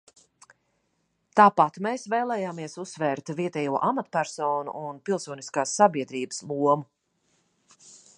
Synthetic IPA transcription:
t̪aːpat̪meːsveːlˠɛːjaːmiɛsusːvɛːɾt̪viɛt̪ɛjuɔʔamat̪pæɾsɔːnṵʔunpilˠsuɔniskaːsːabiɛd̪ɾiːbəslˠuɔmu

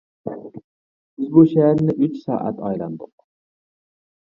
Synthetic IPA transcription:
bɪzbuʃɛɦæɾnɪʔyt͡ʃsɑ̰ːʔæ̰t̪ʰɑjlˠɑ̰nd̪ʊq

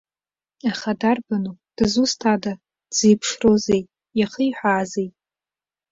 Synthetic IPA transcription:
aχadarbanud̥ɨzustʰada | d͡zijpʰʂrozej | jaχəjħʷaːzejtʼ

